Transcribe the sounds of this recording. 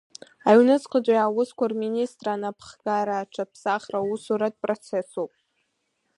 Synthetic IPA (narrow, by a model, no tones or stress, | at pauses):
aɥnɨt͡sʼqʰʼəd͡ʒʷʼajawʊskʷʰarministʼranapʰχɡaɾaʈ͡ʂʰapʰsaχrausuɾadpʼrot͡sʰe̞sowpʼ